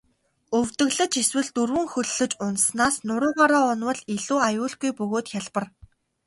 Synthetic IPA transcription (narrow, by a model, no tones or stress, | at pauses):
ɵwt̪ɘ̆ɣɮə̆t͡ɕeswɘ̆ɮt̪urwɘ̆ŋxɵɮːɵ̆t͡ɕʊnsnaːsnʊɾʊːʁaɾaːʊnwə̆ɮiɮuːajʊːɮɡujpɵɣoːt̪xʲaɮpə̆r